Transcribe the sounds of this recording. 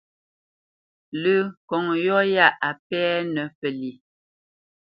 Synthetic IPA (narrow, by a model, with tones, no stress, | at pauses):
lə˦˨kɔ˨ŋ˨jɔ˦ja˦˨ʔa˨pɛː˦nə˨pə˨li˨